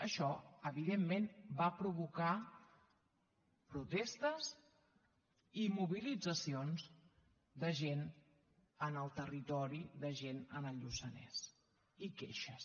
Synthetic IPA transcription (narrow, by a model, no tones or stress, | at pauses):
əʃɔəβiðemːenbapɾuβuka | pɾut̪ɛst̪əz | imuβilid͡zəsionz | d̪əʒen | ənəlˠt̪ərit̪ɔɾiðəʒenənəʎusənɛ̰s | ikeʃəs